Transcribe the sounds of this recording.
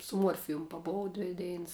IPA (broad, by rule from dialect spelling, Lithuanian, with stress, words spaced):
sʊ ˈmuɔrʲfʲɪjʊm pɐˈboːw ˈdʲʋʲɪ ˈdʲɛɪns